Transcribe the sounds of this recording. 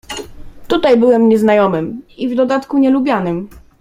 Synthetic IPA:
t̪ut̪ajbɘwɛmɲɛznajɔmɘmivd̪ɔd̪at̪kuɲɛlubʲjanɘm

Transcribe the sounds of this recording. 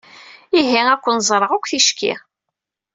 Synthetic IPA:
iɦiækʷːənzˤɾˤəʁækʷːθiʃkḭ

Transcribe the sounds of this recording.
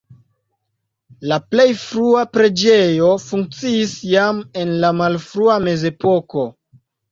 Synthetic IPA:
laple̞jfɾuapɾe̞d͡ʒe̞jo̞fuŋk̚t͡siːsjame̞nlamalfɾuame̞ze̞po̞ko̞

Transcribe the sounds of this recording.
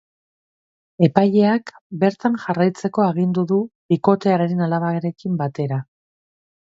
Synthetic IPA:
e̞paje̞ak | be̞ɾt̪anʝarajt͡se̞ko̞aɣ̞ind̪uðuβiko̞t̪e̞aɾeɾenalaβ̞aɣeɾe̞kimbat̪e̞ɾa

